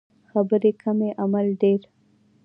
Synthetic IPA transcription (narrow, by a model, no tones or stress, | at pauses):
xabəɾekʰəmeʔamalɖeɾ